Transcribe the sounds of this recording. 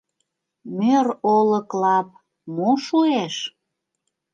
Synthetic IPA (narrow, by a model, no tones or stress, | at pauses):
møroləklɑp̚ | moʃueʃ